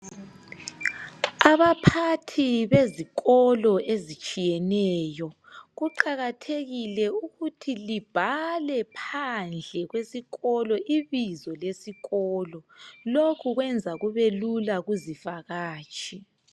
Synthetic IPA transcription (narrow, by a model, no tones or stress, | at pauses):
aβapʰatʰiβeziɣɔlɔezit͡ʃʼijɛnɛjɔ | ɣuǃaɣatʰeɣilɛuɣutʰilib̥ʱalɛpʰand͡ɮʱɛɣwesiɣɔlɔʔiβizɔlesiɣɔːlɔlokʰuɣwɛnd͡zʱaɣuβelulaɣuzifaɣaːt͡ʃʰʼi